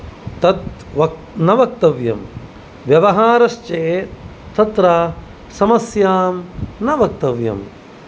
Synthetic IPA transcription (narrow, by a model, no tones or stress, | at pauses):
t̪ɐt̪ʋɐ | nɐʋɐk̚t̪ɐʋjɐ̰m | ʋjɐʋɐɦaːɾɐʃt͡ʃeː | t̪ʰɐt̪ɾaː | sɐmɐsjaːmnɐʋɐk̚t̪ɐʋjɐ̰m